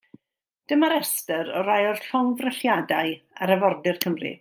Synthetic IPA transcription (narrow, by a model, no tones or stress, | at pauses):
d̥əmaɾɛstəɾɔɾajɔrfɔnvrəɬjadaɨa̰ɾəvɔrdɪrkʰəmrɪ̰